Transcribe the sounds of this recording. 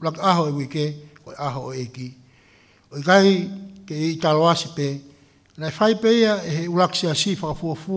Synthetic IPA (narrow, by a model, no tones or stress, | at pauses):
ulakaɦoewikeoeʔaɦoeki | oiɡaikeitaloasipe | laefajpeiaeɦeulaksiasifakafuofu